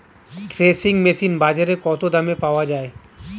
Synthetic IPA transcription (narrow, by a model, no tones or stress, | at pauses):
kɾesiŋmesinbad͡ʒaɾekɔt̪od̪ʱamepaoad͡ʒae